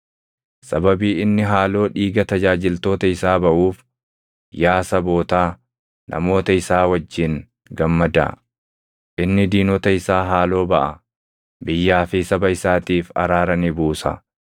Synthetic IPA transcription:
sɐbɐbiːɪnːɪɦaːlo̞ːᶑiːɡɐt̪ɐd͡ʒaːd͡ʒɪlt̪o̞ːt̪ɐɪsaːbɐʔuːf | jaːsɐbo̞ːt̪aː | nʔɐ̰mo̞ːt̪ɐɪsaːwɐd͡ʒːɪŋ | ɡɐmːɐd̪ɐ̰ | ʔɪnːɪd̪iːnɔt̪ɐɪsaːɦaːlo̞ːbɐʔɐ | bɪjːaːfɪsɐbɐɪsaːt̪iːfɐ̰ɾaːɾɐnɪbuːsɐ̰

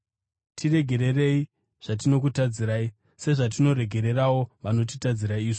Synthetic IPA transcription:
tʰire̞ɡʱe̞ɾe̞re̞i | ʐ̥at̬ino̞k̬utad͡ziɾaːi | se̞ʐat̬ino̞ɾe̞ɡʱe̞ɾe̞rawo̞ʋano̞t̬itad͡ziɾaiːʐo

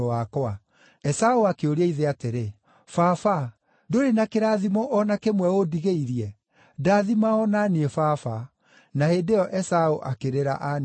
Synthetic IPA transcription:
akɔa | ɛsaoakeoɾeɛiðeateɾe | fafa | doɾenakeɾaːðimɔʔɔnakemwɛodiɣeiɾiɛ | daðimaɔnaniefafa | nahedeɔʔɛsaoʔakeɾeɾa̰ʔan

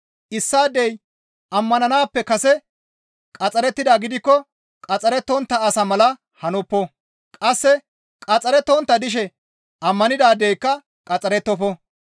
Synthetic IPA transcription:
ʔɪsːaːd̪ːɛj | ʔɐmːɐnɐnaːpːɛkɐsɛ | kʼɐt͡sʼɐɾɛt̪ːɪd̪aːɡɪd̪ɪkːɔ | kʼɐt͡sʼɐɾɛt̪ːɔnt̪ːɐɐsɐmɐlɐ | hɐnɔpːɔ | kʼɐsːɛ | kʼɐt͡sʼɐɾɛt̪ːɔnt̪ːɐd̪ɪʃ̬ɛ | ʔɐmːɐnɪd̪aːd̪ɛjkːɐ | kʼɐt͡sʼɐɾɛt̪ːɔfɔ

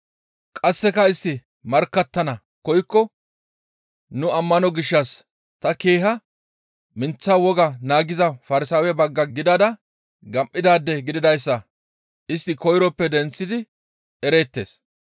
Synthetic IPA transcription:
kʼɐsːɛkɐɪst̪ːɪ | mɐɾkːɐt̪ːɐnɐ | kɔjkːɔ | nʊɐmːɐnɔɡɪʃːɐs | t̪ɐkeːɦɐ | mɪnt͡sːawɔɡɐnaːɡɪzɐfɐɾɪsaːwɛbɐɡːɐɡɪd̪ɐd̪ɐ | ɡɐmʔʼːɪd̪aːd̪ːɛɡɪd̪ɪd̪ɐjsːɐ | ʔɪst̪ːɪkɔjɾɔpːɛd̪ɛnt͡sːɪd̪ɪ | ɛɾe̞ːt̪ːe̞̰ːs

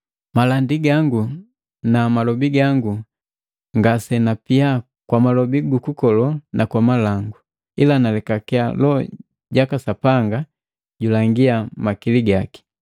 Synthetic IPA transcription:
malandiɡaŋɡu | namalɔbiɡaŋɡu | ŋɡasɛnapia | kwamalɔbiɡukukɔlɔnʔakwamalaŋɡu | ilanalɛkakɛa̰lɔ̰ | ɟakasapaŋɡa | ɟulaŋɡiamakiliɡaki̥

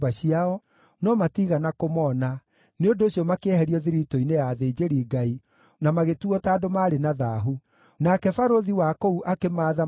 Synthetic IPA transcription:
baɕiaɔ | nɔmatiɣanakomɔna | neondoːɕjɔmakeɛhɛɾiɔðiɾitoinejaðeːd͡ʑeɾiːɡai | namaɣetuɔtaːdomaːɾenaðaːɦu | nakɛfaɾoðiwakouʔakemaːða

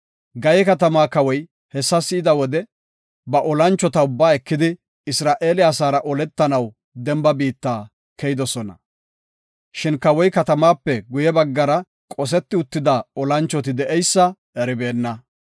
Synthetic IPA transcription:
ɡɐjɛkɐt̪ɐmaːkɐwɔj | hɛsːɐsɪːd̪ɐwɔd̪ɛ | bɐʔɔlɐnt͡ʃːɔt̪ɐʊbːaːɛkːɪd̪ɪ | ɪsɾaːʔeːlɪaːsaːɾɐʔɔlɛt̪ːɐnɐw | d̪ɛmbɐbiːt̪ːaː | kɛjɪd̪ɔsɔnɐ̰ | ʃɪnkɐwɔjkɐt̪ɐmaːpːɛɡʊjɛbɐɡːɐɾɐ | kʼɔs̬ɛt̪ːɪʊt̪ːɪd̪ɐɔlɐnt͡ʃːɔt̪ɪd̪ɛʔɛjsːɐ | ɛɾɪbeːnːɐ

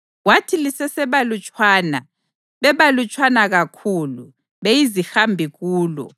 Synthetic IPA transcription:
watʰilisɛsɛβalut͡ʃʼwaːna | βɛβalut͡ʃʼwanaɣakʰulu | βejizixambʱiɣuːlɔ̰

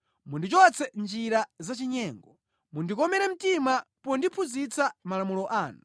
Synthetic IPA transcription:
mundit͡ʃɔt͡sɛnd͡ʒiɾazat͡ʃiɲɛːŋɡɔ | mundikɔmɛɾɛm̩timapɔndipʰuzit͡samalamulɔʔaːnu

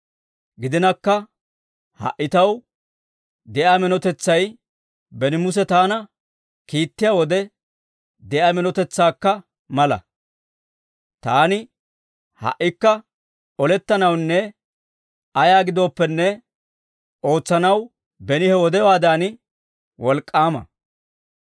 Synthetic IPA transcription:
ɡɪd̪ɪnɐkːɐ | hɐ̰ʔːɪt̪ɐw | d̪ɛʔaːmɛnɔt̪ɛt͡sːɐj | bɛnɪmʊs̬ɛt̪aːnɐ | kiːt̪ːɪjaːwɔd̪ɛ | d̪ɛʔaːmɛnɔt̪ɛt͡sːaːkːɐ | mɐlɐ̰ | t̪aːnɪ | hɐ̰ʔːɪkːɐ | ɔlɛt̪ːɐnɐwnːɛ | ɐjaːɡɪd̪o̞ːpːɛnːɛ | o̞ːt͡sːɐnɐw | bɛnɪhɛwɔd̪ɛwaːd̪aːnɪ | wɔlkʼːaːmɐ̰

